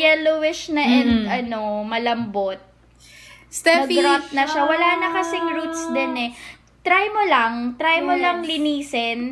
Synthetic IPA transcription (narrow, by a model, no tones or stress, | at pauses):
jɛlowɪʃnɐʔɛnd̪ɐno̞mɐlɐmbot̪̚ | sɛnɐɡɾant̪̚nɐʃawɐlaːnɐkɐsɪŋɾuːt̪̚sd̪ɛnɛ | t̪ɾajmolɐŋt̪ɾajmolɐŋlɪniːsɛn